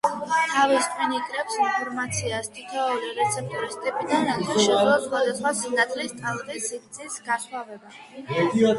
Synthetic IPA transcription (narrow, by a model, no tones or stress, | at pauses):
t̪ʰaviskʰʼwinikʼɾɛpsinpʰɔɾmat̪sʰiast̪ʰʼit̪ʰaɔɾiɾɛt̪sʰɛp̚ʰt̪ʼɾist̪ʼɛpʼid̪anaaʃɛzɛlasχwad̪asχwasinat̪ʼlist̪ʰʼalˠʁisipt̪sʼʰisɡaswavɛba